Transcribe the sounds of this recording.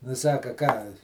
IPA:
nʊ ˈsɑːkɐ ˈkɑː

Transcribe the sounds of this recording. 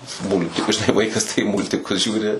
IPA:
ˈmʊlʲtʲɪkʊs ˈʋɐɪkɐs tɐɪ ˈmuːlʲtʲɪkʊs ˈʒʲuːrʲɪ

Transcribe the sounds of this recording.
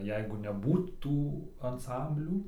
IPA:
ˈjɛɪɡʊ nʲɛˈbuːt tuː ɐnˈsɐmʲbʲlʲuː

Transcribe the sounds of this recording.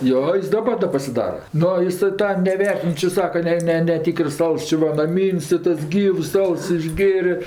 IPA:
ˈjoː ˈjɪs dɐˈbɐr dɐ pɐsʲɪˈdɑːrɐ ˈnʊ ˈɪsɜ ˈtɑː nʲɛˈʋʲɛrʲtʲɪn ˈt͡ʃʲɪ ˈsɑːkɐ ˈnʲɛ ˈnʲɛ nʲɛˈtʲiːkərs ˈɐlˠs ˈt͡ʃʲɪ ʋɐ nɐˈmʲiːnʲsʲ tɐɪ ˈtɐs ˈɡʲiːws ˈɐlˠs ɪʒʲˈɡʲeːrʲeː

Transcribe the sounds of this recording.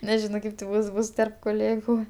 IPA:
nʲɛˈʒʲɪnoː ˈkɐɪp tʲɪ ˈbʊs ˈbʊs tʲɛrp koːˈlʲeːɡʊ

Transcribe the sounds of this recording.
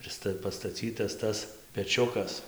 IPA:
ɪr ˈstɐ pɐstɐˈt͡sʲiːtɐs ˈtɐs pʲɛˈt͡ʃʲʊkɐs

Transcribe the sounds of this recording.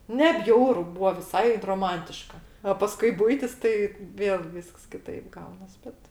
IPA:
nʲɛ ˈbʲjɛʊrʊ ˈbuːʋɐ ʋʲɪˈsɐɪ droːˈmɐnʲtʲɪʃkɐ ɐ ˈpɑːskʊɪ ˈbʊɪtʲɪs ˈtɐɪ ˈʋʲeːlˠ ˈʋʲiːsks kʲɪˈtɐɪp ˈɡɐʊnɐs ˈbʲɛt

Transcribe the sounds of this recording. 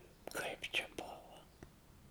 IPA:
kɐɪp t͡ʃʲɛ ˈbʊʋɐ

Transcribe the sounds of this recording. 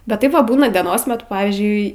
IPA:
bʲɛt ˈtɐɪp ˈʋɐ ˈbuːnɐ dʲiɛˈnoːs mʲɛˈtʊ ˈpɑːʋʲiːzʲd͡ʒʲʊɪ

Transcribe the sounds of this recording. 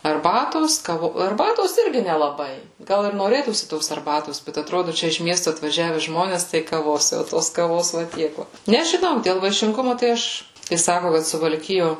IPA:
ɐrˈbɑːtoːs ˈkɑːʋoː ɐrˈbɑːtoːs ˈɪrʲɡʲɪ nʲɛlˠɐˈbɐɪ ˈɡɐlˠ ɪr noːˈrʲeːtuːsʲɪ ˈtoːs ɐrˈbɑːtoːs ˈbʲɛt ɐtˈroːdʊ ˈt͡ʃʲɛ ɪʃ ˈmʲiɛstʊ ɐtʋɐˈʒʲæːʋʲɛ ˈʒmoːnʲɛs ˈtɐɪ kɐˈʋoːs jɛʊ ˈtoːs kɐˈʋoːs ʋɐ ˈtʲiɛk ˈʋɐ nʲɛʒʲɪˈnɐʊ dʲeːlˠ ʋɐɪʃʲɪŋˈɡʊmʊ tɐɪ ˈɐʃ kɐɪ ˈsɑːkʊ kɐt sʊʋɐlʲˈkʲɪjoː

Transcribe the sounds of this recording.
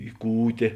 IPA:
ɪ ˈkuːtʲeː

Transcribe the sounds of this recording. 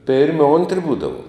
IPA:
ˈpʲeːrʲmʲɪ ˈoːnʲtʲrʲɪ ˈbuːdɐʋuɔm

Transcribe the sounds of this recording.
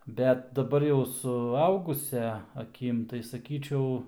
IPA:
ˈbʲɛt dɐˈbɐr jɛʊ sʊˈɐʊɡʊsʲɛ ɐˈkʲɪm tɐɪ sɐˈkʲiːt͡ʃʲɛʊ

